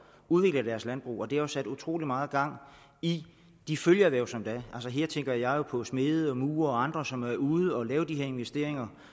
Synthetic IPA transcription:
uðˠʋe̝ɡ̥ləd̥æɐslænb̥ʁṵːɒ̽d̥eæjosæd̥ut͡sʰʁo̝̰ːlimɑ̈ːð̩ˠɡ̥ɑ̈ŋ̰ | i | d̥iføljɐʋæɐsɒ̽md̥æælsəɦe̝ɐ̰t͡sʰeŋɡ̥ɐjjɑ̈ɪjo̝pʰɒ̽sme̝ːð̞̩ˠəɒ̽muːɐɒ̽ɑ̈nd̥ʁɐsɒ̽mæuːð̩ˠɒ̽lɛːʊd̥iɦe̝ɐ̰e̝nʋesd̥e̝ɐ̰e̝ŋɐ

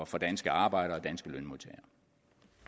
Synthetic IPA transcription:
ɐfɒ̽d̥ænsɡ̥əɑ̈ːb̥ɑ̈ɪ̰ɾ̥ɐɒ̽d̥ænsɡ̥əlønmult͡sʰɛ̰ɐ

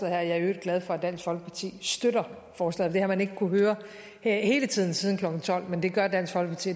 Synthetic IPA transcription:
ɛð̩ˠhæɐ̰jɑ̈ɐød̥̚ɡ̥lɛð̞ˠfɒ̽æd̥æn̰sɡ̥fɒ̽l̰ɡ̥əpʰɑ̈t͡sʰḭːsd̥øɾɐ | fɒːslɛ̰ð̩ˠɒd̥ehæɐmæne̝ɡ̥əkʰuɦøːɐ | he̝ːlət͡sʰið̰ˠn̩siːð̞ˠn̩kʰlɒ̽ɡ̥n̩t͡sʰɒ̽l̰mend̥e̝ɡ̥ɶɐd̥æn̰sɡ̥fɒlɡ̥əpɑ̈t͡sʰḭ

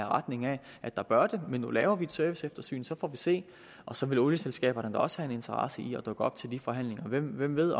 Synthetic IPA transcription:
æʁɑ̈d̥ne̝ŋæ | ʔæd̥ɑ̈b̥ɶɐd̥e̝menːolɛːʊɐʋied̥sœɐʋisefd̥ɐsy̰ːn̩sɒ̽fɒ̰ːʋise̝̰ː | ʔɒ̽sɒ̽ʋe̝loljəselsɡ̥ɛ̰ːb̥ɐnənd̥ɑ̈ɒ̽sə̥hæe̝ne̝nt͡sʰɐʁɑ̈səiɒ̽d̥ɔ̽ɡ̥əɒ̽b̥̚t͡sʰe̝ld̥ifɒ̽ɦæn̰le̝ŋɐʋem̰ʋem̰ʋe̝ð̞̰ˠ

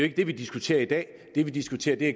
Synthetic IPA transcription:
oe̝ɡ̥əd̥e̝ʋid̥isɡ̥ut͡sʰe̝̰ːɐid̥ɛ̰ː | d̥e̝ʋid̥isɡ̥ut͡sʰe̝̰ːɐd̥e̝æ

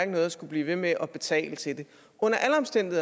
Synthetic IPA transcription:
ɡ̥nɔːðˠɐsɡ̥ub̥liːʋe̝meʔɒ̽b̥e̝t͡sʰɛ̰ːlət͡sʰe̝ld̥e̝ | ʔɔ̽n̰ɐʔæləɒ̽msd̥en̰d̥i

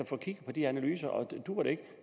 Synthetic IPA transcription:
ɒfɒ̽ːkʰiɡ̥əpʰɒ̽d̥iænælyːsɐʔɒ̽d̥uɐɾ̥e̝e̝ɡ̥

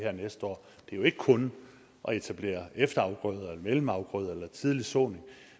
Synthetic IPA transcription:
heɐ̰nesd̥əɒ̰ː | d̥e̝joe̝ɡ̥əkʰɔ̽n | ʔɒ̽e̝t͡sʰæb̥le̝̰ːɐefd̥ɐɑ̈ʊɡ̥ʁœð̞ˠelɐmelm̩ɑ̈ʊɡ̥ʁœð̞ˠelɐt͡sʰið̞ˠlisɔ̰ːne̝ŋ

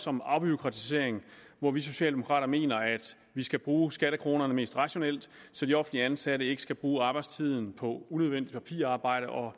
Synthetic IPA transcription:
sɒ̽mɑ̈ʊb̥yokʰʁɑ̈t͡sʰise̝̰ɐ̰eŋ | ʋɒʋis̬o̝ɕɛ̰ːld̥e̝mo̝kʰʁɑ̰̈ːɾɐme̝̰ːnɐæd̥ | ʋisɡ̥æb̥ʁuːsɡ̥æɾəkʰʁo̝ːnɐnəme̝ːsd̥ʁɑ̈ɕo̝nel̰d̥ | sɒ̽d̥iɒ̽fn̩liəænsæɾ̥əe̝ɡ̥əsɡ̥æb̥ʁuːɑ̈ːb̥ɑ̈ɪdst͡sʰið̰ˠn̩pʰɒ̽unøð̞ˠʋen̰d̥id̥pʰæpʰḭːɐɑ̈ːb̥ɑ̈ɪ̰ɾ̥əʔɒ̽

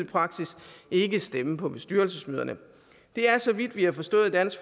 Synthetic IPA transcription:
pʰʁɑ̈ɡ̥sise̝ɡ̥əsd̥eməpʰɒ̽b̥e̝sd̥yɐlsəsmøːð̞ˠɐnə | d̥e̝æɐsɒ̽ʋid̥ʋihɑfɒ̽sd̥ɔ̰̽ːð̩ˠd̥æn̰sɡ̥f

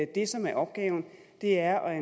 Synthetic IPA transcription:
d̥e̝sɒ̽mæɐʔɒ̽b̥̚ɡ̥ɛ̰ːʊn̩ | d̥e̝æɐɒ̽e

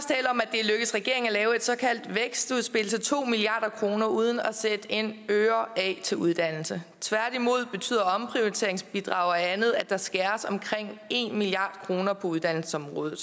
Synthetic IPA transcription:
st͡sʰɛ̰ːləɒ̽mæd̥e̝løɡ̥əsʁɛɡ̥e̝ɐ̰eŋælɛːʊe̝d̥sɒ̽kʰæl̰d̥ʋeɡ̥sd̥uð̞ˠsb̥e̝l̩sət͡sʰo̝̰ːmiliɑ̈ːɾ̥ɐkʰʁo̝ːnɐuð̞ˠn̩ɒsed̥e̝nøːɐɛt͡sʰe̝luð̞ˠd̥æn̰l̩sət͡sʰʋæɐɾ̥imo̝ð̞̰ˠb̥e̝t͡sʰy̰ːð̰ˠɐɒ̽mpʰʁioit͡sʰe̝ɐeŋsb̥id̥ʁɑ̰̈ʊɐænð̞̩ˠæd̥ɑ̈sɡ̥æːɐsɒ̽mkʰʁeŋ̰e̝nmiliɑ̰̈ːd̥kʰʁo̝ːnɐpʰɒ̽uðˠd̥æn̰l̩sə̥sɒ̽mʁɔ̽ːðˠð̩ˠ

